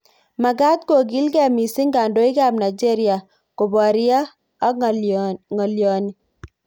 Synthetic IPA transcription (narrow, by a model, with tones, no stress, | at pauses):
ma˨ɡa˦t̪̚ko˨ɡi˦lkɛ˨mi˨si˦ŋɡa˨ndo˦i˦ka˨bna˨d͡ʒe˦ɾja˨ | ko˨bɔ˨ɾi˦aː˦ | ŋɔ˨ljɔ˨ni˨